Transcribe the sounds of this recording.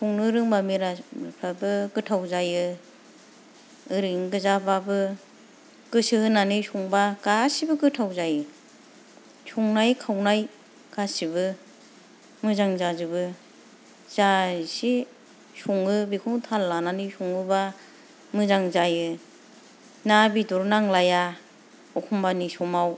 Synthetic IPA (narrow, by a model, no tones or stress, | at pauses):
suŋnɯɾɯŋbamiɾampʰabɯkɯtʰawzajɯ | ɯɾɯŋɡɯzababɯ | kɯsɯɯnanisuŋbakasibɯkɯtʰawzajɯ | suŋnajkʰawnaj | kasibɯ | mɯzaŋzazɯbɯ | z̥asi | suŋɯbikʰuŋtʰalːananɯsuŋɯba | mɯzaŋzajɯ | nabitɔɾnaŋlaja | ɔkʰumbanisɔmaw